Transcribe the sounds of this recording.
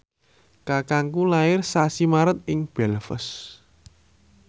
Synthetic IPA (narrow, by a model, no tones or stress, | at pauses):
kakaŋkulaɪrsasimaɾət̪̚ɪŋb̥ɛ̤lfə̰s